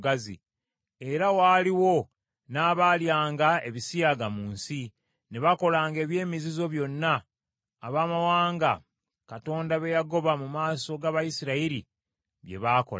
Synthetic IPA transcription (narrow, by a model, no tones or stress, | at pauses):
ɡazḭ | e̞ɾawaːliwo̞ | naːβaljaːŋɡae̞βisijaɡamuːnsi | neβako̞laːŋɡe̞ːβje̞ːmizizo̞βjo̞nːaː | βaːmawaːŋɡa | kato̞ːndaβe̞jaɡo̞βamumaːso̞ɡaβajisiɾaiɾi | βje̞̰βaːko̰l